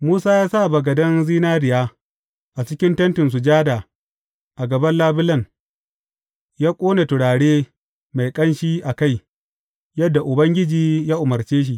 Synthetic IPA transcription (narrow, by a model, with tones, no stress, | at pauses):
muː˦saː˦jaː˦sa˦˨bɐ˨ɡɐ˨dɐ˦nziː˦naː˦ɾɪ˨jaː˦ | ʔa˨t͡ʃɪ˦kʲɪ˦ntɐ˦ntɪ˨ns̬u˨d͡ʒaː˦daː˨ | ʔa˨ɡɐ˨bɐ˦nlaː˦bɪ˦lɐ˦ŋ | jaː˦kʷʼoː˦na˨tʊ˨ɽaː˨ɽeː˦ | ma˨jkʼɐ˦nʃiː˦ʔa˨ka˦˨j | jɐ˦dːa˨ʔʊ˨bɐ˦ŋɡʲɪ˦d͡ʒiː˨jaː˦ʔʊ˨mɐ˨rt͡ʃeː˦ʃ̬i˦ʔ